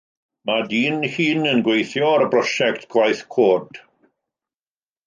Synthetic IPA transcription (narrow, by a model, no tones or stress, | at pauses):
madiːnhiːnənɡwejθjɔaɾəbrɔʃɛktʰɡ̥wajθkʰoːrd̥